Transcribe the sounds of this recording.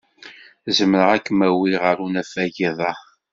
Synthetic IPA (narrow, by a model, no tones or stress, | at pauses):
zəmɾəʁækːəmæwiʁəɾunæfæʝiðˤɑ